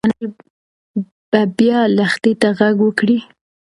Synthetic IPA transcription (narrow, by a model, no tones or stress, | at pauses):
nəj | b̥abjɑlaxt̪it̪aɣaɡwəkɽi